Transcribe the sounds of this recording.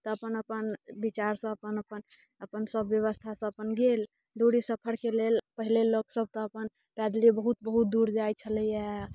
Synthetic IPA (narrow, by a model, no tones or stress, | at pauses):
t̪ɔəpənəpənbit͡ʃaɾsə̃əpənəpən | əpənsəbjəβəst̪ʰasə̃əpənɡel | ɖ̪oɽisəpʰəɾkelelpəɦileloksəb̚ʱt̪ɔəpən | pɛd̪libəɦut̪̚bəɦut̪̚d̪uɾd͡ʒajt͡ʃʰələja